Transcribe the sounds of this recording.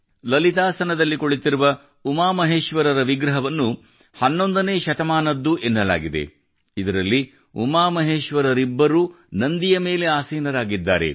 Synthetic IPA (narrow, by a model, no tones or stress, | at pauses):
lɐlit̪̬aːsɐnɐd̪ɐlːikoɭit̪iɾuʋɐ | umaːmɐɦeːʃʋɐɾɐɾɐʋiɡɾɐɦɐʋɐnːu | hɐnːo̞nd̪ɐneːʃɐt̪ɐmaːnɐd̪ːuʔenːɐla̰ːɡid̪ḛ | id̪ɐɾɐlːi | ṵmaːmɐɦeːʃʋɐɾɐɾibːɐɾu | nɐnd̪ijɐme̞ːle̞aːsiːnɐɾaːɡid̪ːaːɾe̞̰